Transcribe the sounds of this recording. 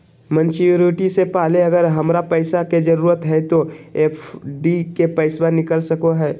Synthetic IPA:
mə̃nt͡ʃjuɾɪʈisepaːleɐɡəɾɦɐmɾapəɪsaked͡ʒəɾuːɾət̪ɦɛt̪oeːpʰɖikepəɪsbanɪkəlsəkoɦɛː

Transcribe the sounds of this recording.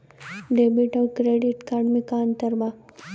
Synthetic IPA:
ɖeːbiʈɔkɾeːɖiʈkaɖmikaənt̪əɾba

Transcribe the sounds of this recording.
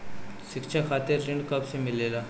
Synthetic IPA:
sɪkt͡ʃʰaxaːt̪ɪɾːɪɳɖkɐbsemɪleːla

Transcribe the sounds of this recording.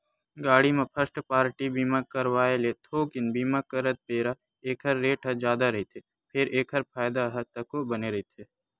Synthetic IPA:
ɡaːɽimẽpʰəɾsʈpaːɾʈibiːmakəɾwaːeleːt̪ʰoːkɪnbiːmakəɾət̪̚peːɾa | eːkʰɦəɾːeːʈɦɐd͡ʒjaːd̪aɾɐɦit̪ʰe | pʰɪɾeːkʰəɾpʰaːjd̪aɦɐt̪ɐkobɐneɾɐɦit̪ʰeː

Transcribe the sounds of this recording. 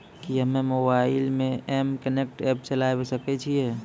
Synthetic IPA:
kiɦəmemobaɪlmẽemkənek̚ʈɛpt͡ʃəlajbesəkɛt͡ʃʰiɛ

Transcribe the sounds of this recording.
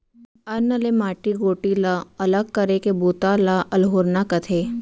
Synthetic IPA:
ɐɾnəlemaːʈiɡoːʈilaɐləɡ̚kɐɾekebuːt̪alaʔɐlɦoːɾnakɐt̪ʰeː

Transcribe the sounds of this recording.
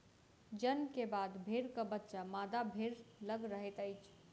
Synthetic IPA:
d͡ʒənkebad̪bʱeɾkəbətːʃamad̪abʱeɾləɡɾəɦet̪əɪt͡ʃʰ

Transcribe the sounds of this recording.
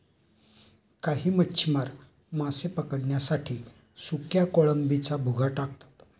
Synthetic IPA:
kaɦiːmətːɕʰimaɾ | masepəkəɽɳjasaʈʰiː | sukjakoɭəmbit͡sabʱuɡʱaʈak̚t̪ḁt̪

